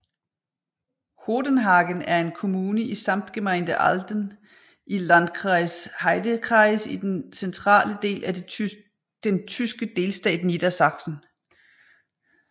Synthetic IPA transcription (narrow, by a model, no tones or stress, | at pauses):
ho̝ːd̥ənɦɑ̈ːɡ̥ənæɐe̝nkʰo̝muːnəisɑ̈m̰d̥ɡ̥emind̥əʔɑld̥ən | ʔilænd̥kʰɑshɑɪd̥əkʰʁɑ̈ɪsid̥ensent͡sʰʁɑ̰̈ːləd̥e̝̰ːlʔæ | d̥ent͡sʰysɡ̥əd̥e̝ːlsd̥ɛ̰ːd̥nid̥ɐsɑ̈ɡ̥sn̩